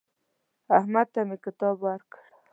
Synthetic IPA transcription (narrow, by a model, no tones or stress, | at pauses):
ahmad̪̚t̪amekɪt̪ɑbwaɾkə̥ɽ